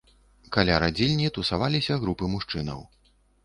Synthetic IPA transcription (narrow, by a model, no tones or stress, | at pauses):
kalʲaɾad͡zʲilʲnʲit̪usavalʲisʲɐɣɾupɨmuʂt͡ʂɨnɐ̰w